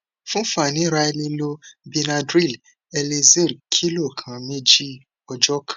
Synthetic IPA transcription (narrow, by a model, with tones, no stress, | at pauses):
fũ˦fa˨nĩ˨˦ɾa˧ɛ˧nĩ˧lo˦bi˧na˧dɾi˦˨l | ɛ˧le˧ze˦˨dkʰi˦lo˦˨kʰã˨˦me˦d͡ʒi˦ | ɔ˧d͡ʒɔ˦kʰḁ̃˨˦